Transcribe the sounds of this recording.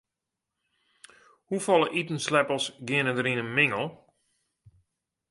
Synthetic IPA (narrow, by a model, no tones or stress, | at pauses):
hufɔlˠəʔitən̩slɛpəlˠsɡɪənədəɾinənmɪŋəlˠ